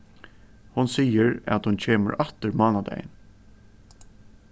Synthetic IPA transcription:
hʊnsiːjəɾæ̰t̪hʊnt͡ɕʰeːmə̰ɾʔat̪əɾmɑːnad̪ɛ̰j̰n

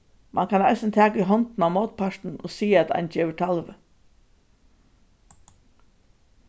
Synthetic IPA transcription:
mʔa̰nkʰanajsɪnt̪ʰæːkʏɦɔnt̪n̩amoːt̪̚pʰaʂt̪n̩o̰siːæt̪a̰ɪnd͡ʒɛːʋəʈʰalʋə

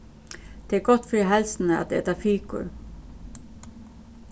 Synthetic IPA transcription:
d̪̥eːɡɔt̪fɾiɦɛlsn̩əɑ̰t̪d̪eːæːt̪ɑfiːkʊ̰ɾ

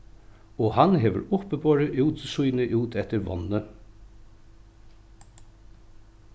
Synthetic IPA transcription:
oːhɑnheːʋə̰ɾʊpəbʰɑːɹəʔʉːt̪sʉʏnəʔʉːt̪ʰɛt̪əɾʋɔ̰nə

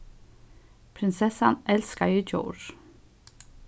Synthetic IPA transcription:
pʰɾɪnsɛsɑnɛlskɑid͡ʒo̰ːʃ

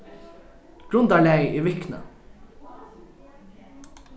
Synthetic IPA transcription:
ɡ̥ɾʉnd̪ɑɭæɪiːʋɪknə̰

